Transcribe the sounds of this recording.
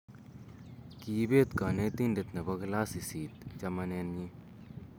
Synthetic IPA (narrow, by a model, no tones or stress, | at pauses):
kiːbeːt̪kaːnet̪indet̪nɐbɐɡlaːsisiːt̪d͡ʒɐmɐneːni